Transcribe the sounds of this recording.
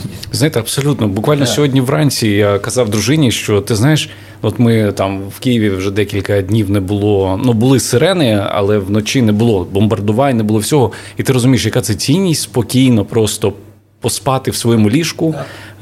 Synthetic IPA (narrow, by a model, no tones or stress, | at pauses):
znajɪt̪ɛɐbsɔlʲut̪nɔbʊkʋɑlʲnɔsʲɔɦɔdʲnʲiʋrɑnʲt͡sʲijakɐzɑwd̪ɾʊʒɪnʲiʃt͡ʃɔt̪ɪznajɪʃ | ɔt̪mɪt̪ɑmwkʲijiʋʲiwʒɛd̪ɛkʲilʲkɐdʲnʲiwnɛbʊlˠɔnubʊlˠɪseɾɛnɪɐ̰lˠɛʋnɔt͡ʃinɛbʊlˠɔbɔmbɐrd̪ʊʋɑnʲnɛbʊlˠɔwsʲɔɦɔit̪ɪɾɔzʊmʲijɪʃjɐkat̪sɛt͡sʲinʲːisʲtʲspɔkʲijnɔpɾɔst̪ɔ | pɔspɑt̪ɪwsʋɔjɔmʊlʲiʂkʊ